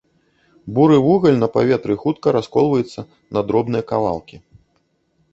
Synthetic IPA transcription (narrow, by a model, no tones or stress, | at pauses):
buɾɨvuɣɐlʲnɐpavʲɛt̪ɾɨxut̪kɐɾaskɔlˠvɐjut̪sːɐ | nɐd̪ɾɔbnɨjɐkalˠa̰lˠkʲi